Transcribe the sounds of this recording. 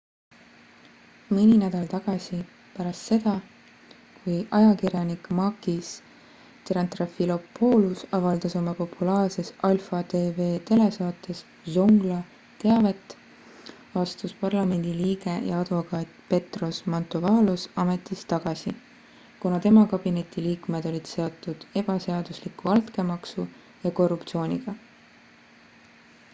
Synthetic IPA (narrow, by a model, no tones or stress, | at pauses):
minʲinæd̪ɑlt̪ɑɡ̥ɑsi | pæɾɑst̪se̞d̪ɑ | kujʔɑjɑkiɾjɑnikmɑkis | t̪eɾɑnt̪rɑfilo̞pːo̞ːlusɑvɑld̪̥ɑso̞mɑpo̞pʰulɑːrse̞sɑlfɑd̪e̞ːve̞ːt̪e̞le̞sɑːt̪ːˑe̞s | soŋɡ̥lɑ | t̪e̞ɑve̞t̪ːˑ | ɑst̪uspɑrlɑme̞nʲd̪̥iliːɡe̞jɑ̰ɑd̪̥vo̞kɑːt̪pe̞t̪ro̞smɑnt̪ovɑːlusɑme̞t̪ːˑist̪ɑɡ̥ɑsi | kunɑt̪e̞mɑkɑb̥ine̞t̪ʲiliːkme̞d̪̥o̞lʲid̪̥se̞o̞t̪ːˑud̪̥e̞b̥ɑse̞ɑd̪̥uslikːˑuɑlt̪ke̞mɑksu | jɑko̞rupt̪sio̞ːnʲiɡ̥ɑ